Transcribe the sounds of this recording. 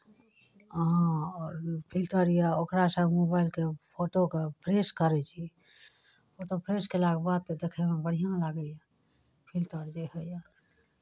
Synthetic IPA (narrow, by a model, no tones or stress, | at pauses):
ɦãɔːɾpʰilʈəɾjaokɾasəmobaɪlkepʰoʈokepʰɾeskəɾɛt͡ʃʰi | pʰoʈopʰɾeskelaɡbad̪̚t̪d̪ekʰɛmẽbəɽ̤ijãlaɡəja | pʰilʈəɾd͡ʒehəja